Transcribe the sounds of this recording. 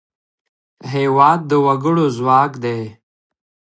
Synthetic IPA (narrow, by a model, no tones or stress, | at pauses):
ɦeːwaːd̪̚ːəwɐɡəɽozwɑːkd̪eː